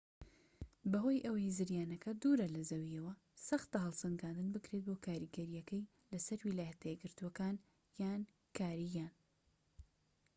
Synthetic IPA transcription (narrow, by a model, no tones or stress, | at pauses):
bɐɦo̞ːjʔɐwɐjzɨɾjaːnɐkʰɐd̪uːɾɐlɐzɐwiɐwɐ | sɐxt̪ɐɦɐlˠsɐŋɡaːnd̪ɨnbɨkɾe̞t̪̚boːkʰaːɾiɡɐɾijɐkɐj | lɐsɐɾwilaːjɐt̪ʰɐjeɡɨɾt̪uwɐkaːn | jaːn | kʰaːɾijaːn